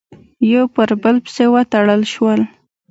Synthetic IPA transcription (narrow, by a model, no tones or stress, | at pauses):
jopəɾbəlpsewət̪aɽəlʃwəl